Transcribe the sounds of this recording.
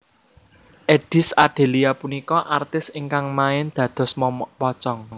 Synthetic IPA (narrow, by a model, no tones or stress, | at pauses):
ʔeɖ̥ɪ̤saɖ̥e̤liapunikɔʔart̪ɪsɪŋkaŋmaɪnd̪̥ä̤d̪̥ɔ̤spɔt͡ʃɔŋ